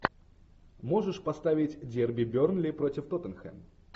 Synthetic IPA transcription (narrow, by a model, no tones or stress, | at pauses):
moʐɨʂpɐst̪avʲɪtʲdʲerbʲɪbʲornlʲɪpɾotʲɪft̪ot̪ənxɛ̰m